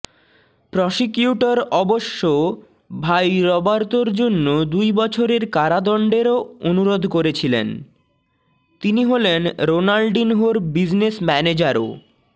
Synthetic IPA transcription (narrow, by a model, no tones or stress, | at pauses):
pɾɔʃikjuʈoɾɔboʃːo | bʱajɾɔbaɾt̪oɾd͡ʑonːod̪ujbɔt͡ɕʰoɾeɾkaɾad̪ɔɳɖeɾoonuɾod̪ʱkoɾet͡ɕʰilḛn | t̪iniɦolenɾonalɖinɦoɾbid͡ʑnesmɛned͡ʑaɾo̰